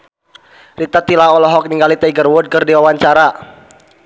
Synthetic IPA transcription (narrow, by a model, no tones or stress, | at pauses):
rit̪at̪ilaɔlɔɦɔk̚niŋɡalit̪aiɡərwɔd̚kɨrdiwawaɲt͡ʃaɾa